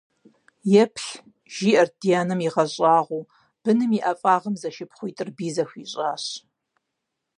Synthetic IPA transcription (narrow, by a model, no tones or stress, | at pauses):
jɛpʰɬ | ʒ̥iːʔɐrd̥ijaːnɨmiʁɐɕʼɑːʁʷuː | b̥ɨnɨmiʔɐfʼaːʁəmzɐʃɪpχʷʊjtʼɨrbiːzɐxʷiːɕʼaːɕ